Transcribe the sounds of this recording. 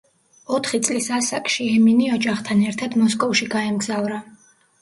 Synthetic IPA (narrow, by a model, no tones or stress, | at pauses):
ɔt̪ʰχit̪sʼlisasakʼʃiɛminiɔd͡ʒaχt̪ʰanɛɾt̪ʰad̪mɔs̬kʼɔfʃiɡaɛmɡzavɾa